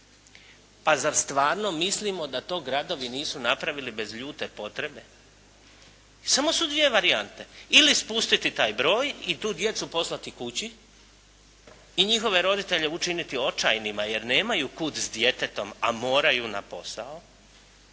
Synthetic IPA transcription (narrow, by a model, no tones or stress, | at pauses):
pazaɾst̪ʋaːɾno̞mislimo̞d̪at̪o̞ːɡɾad̪o̞ʋiniːsunapɾaʋilibe̞zʎuːt̪e̞po̞t̪ɾebe̞ | samo̞sud̪ʋije̞ʋaɾiant̪e̞ilispust̪it̪it̪aːjbɾo̞ːjit̪uːd̪je̞t̪supo̞slat̪ikut͡ɕi | iɲixo̞ʋe̞ɾo̞d̪it̪e̞ʎe̞ut͡ʃinit̪io̞t͡ʃajnimaje̞ɾne̞ːmajuːkut̪sd̪je̞t̪e̞t̪o̞mamo̞ːɾajuna̰po̞̰sao